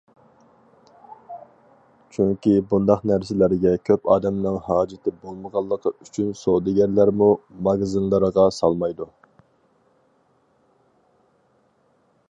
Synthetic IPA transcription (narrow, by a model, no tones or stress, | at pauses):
t͡ʃʰyŋkʲibund̪ɑqnæɾsɪlæɾɡʲɛkʲʰøpɑːd̪ɛmnɪŋhɑːd͡ʒɪt̪ʰɪbolˠməʁɑlˠːəqʰyt͡ʃʰynsod̪ɪɡʲæɾlæɾmumɑɡzɨnlˠəɾəʁɑsɑlˠmɑjd̪u